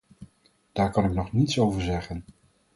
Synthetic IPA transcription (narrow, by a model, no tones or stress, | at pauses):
d̥aːɹkɑnɪknɔχnitsowvəɹzɛχən